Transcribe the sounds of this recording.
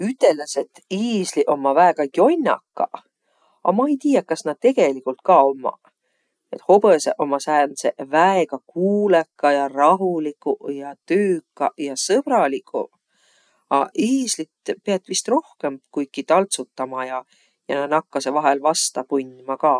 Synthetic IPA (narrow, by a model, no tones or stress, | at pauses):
yt̪ːˑe̞lːese̞t̪iːsliʔo̞mːɑvæekɑkio̞nʲːɑ̰kːɑ̰ | ɑ̰mɑejt̪iːjɑkːɑsnɑd̪̥̚t̪e̞ɡ̥e̞likːˑult̪̚kɑo̞mːɑ̰ | e̞t̪ho̞b̥eseʔo̞mːɑsæːnsevæeɡɑkuːlekːɑjɑrɑɦulikːujɑt̪yːkːɑjɑsɤb̥ɾɑlikʰːˑṵ | ɑiːslit̪peɑt̪ːˑvist̪ro̞hke̞mkuj̪̚kit̪ɑlt̪sut̪ːɑmɑjɑ | jɑnɑnɑkːɑsevɑɦelvɑst̪ɑpunʲmɑkɑː